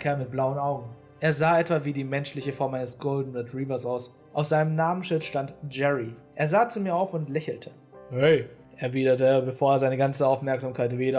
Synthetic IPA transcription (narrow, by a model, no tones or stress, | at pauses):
kʰɛːɐmɪt̚b̥laʊənʔaʊɡŋ̩ | ʔeːɐzaːʔɛtv̥aviːdiːmɛnʃlɪçəfɔɐmʔaɪnəsɡ̥oʊldn̩ʁɛdʁiːvɐsʔaʊs | ʔaʊsz̥aɪnəmnaːmənʃɪtʃtantd͡ʒ̥ɛʁiʔeːɐzaːt͡sumiːɐaʊfʊntlɛçl̩tʰə | heɪ | ʔɛɐviːɾɐtəːɐbəfoːɐeːɐzaɪnəɡant͡səaʊfmɛɐkz̥aːmkʰaɪtveːɾɐ